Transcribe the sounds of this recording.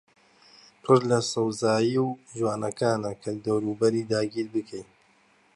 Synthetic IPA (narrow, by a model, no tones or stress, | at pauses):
pʰɨɾlɐsɨwzaːjiwʒwaːnɐkaːnɐkʰɐld̪ɐwɾuːbɐɾiːd̪aːɡiːɾbɨkʰej